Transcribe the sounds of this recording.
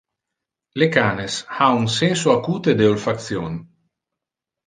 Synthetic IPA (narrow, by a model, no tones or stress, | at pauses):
lekaːneshaunsɛnsoakuːt̪ed̪eolfak̚t̪sjon